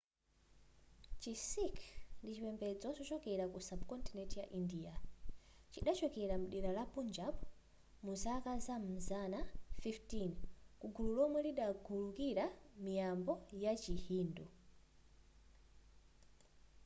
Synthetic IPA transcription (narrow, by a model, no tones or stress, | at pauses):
t͡ʃisikʰndit͡ʃipɛmbɛd͡zɔt͡ʃɔt͡ʃɔkɛɾakusabkɔntinɛtija̰ʔindia | t͡ʃiɗat͡ʃɔkɛɾamuɗiɾalapund͡ʒap | musakazam̩zanafiftinkuɡululɔmwɛliɗaɡulukiɾamijambɔjat͡ʃihiːndɔ